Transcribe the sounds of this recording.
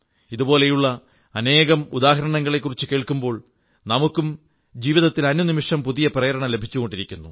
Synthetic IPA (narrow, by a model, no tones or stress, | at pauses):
iðubo̞ːle̞juɭːɐː | ne̞ːɣɐmud̪aːɦɐɾɐɳɐŋːɐɭe̞kːurit͡ɕːɨke̞ːɭkumbo̞ːɭ | nɐmukːum | d͡ʑiːʋiðɐt̪ːilɐnːunimiʂɐmpuðijɐprɐjɐɾɐɳɐmle̞bʱit͡ɕːuɣo̞ɳɖiɾikʲːunːṵ